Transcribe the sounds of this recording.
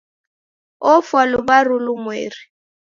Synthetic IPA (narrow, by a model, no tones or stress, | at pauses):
ɔfwalʊbarʊlʊmwḛːri